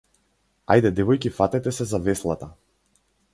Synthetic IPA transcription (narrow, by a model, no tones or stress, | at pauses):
a̰jd̪ɛd̪ɛvɔjkifat̪ɛt̪ɛsɛzavɛslˠat̪a